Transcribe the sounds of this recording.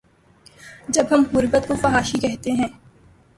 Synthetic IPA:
d͡ʒɐbɦɐmɦʊɾbət̪̚kofɐɦaːʃikɛɦt̪eɦɛ̃ː

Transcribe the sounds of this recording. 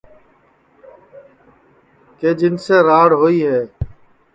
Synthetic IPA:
keːd͡ʒɪnsẽːɾaːɽɦoːiːɦɛː

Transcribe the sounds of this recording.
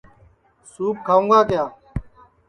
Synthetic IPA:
suːp̚kʰaːũːŋɡaːkjaː

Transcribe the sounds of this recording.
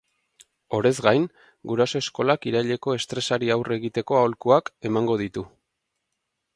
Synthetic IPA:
o̞ɾe̞zɡajn | ɡuɾaso̞e̞sko̞lakiɾaʎe̞ko̞e̞st̪ɾe̞saɾiawre̞ɣit̪e̞ko̞aolkuake̞maŋɡo̞ðit̪u

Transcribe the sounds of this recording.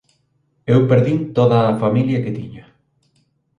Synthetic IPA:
ewpeɾðint̪oðɐːfamiljɐket̪iɲɐ

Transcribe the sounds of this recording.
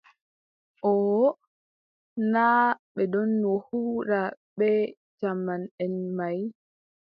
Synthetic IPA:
ʔɔ | naːɓɛdɔnːɔhuːɾaɓɛ | t͡ʃamːanɛnmaj

